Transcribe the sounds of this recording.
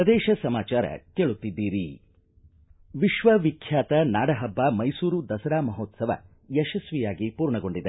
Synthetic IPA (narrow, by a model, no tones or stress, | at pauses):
pɾɐd̪ɛːʃɐsɐmaːt͡ʃaːɾɐ̰keːɭut̪ːid̪ːiːɾi | ʋiʃʋɐʋikʰjaːt̪ɐnaːɽɐɦɐbːaːmɐjsuːɾud̪ɐsɐɾaːmɐɦoːt̪sɐʋɐ̰ | jɛʃɐsʋijaːɡipuːɾɳɐɡo̞ɳɖid̪e